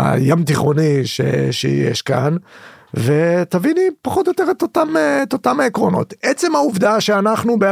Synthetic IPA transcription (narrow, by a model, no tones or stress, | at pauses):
a̰jamt̪iχo̞niʃḛʃḛjḛʃka̰nve̞t̪avinipaχot̪joteʁet̪ot̪amet̪o̞t̪amaekʁo̞no̞̰t̪et͡se̞mauvd̪aʃeanaχnube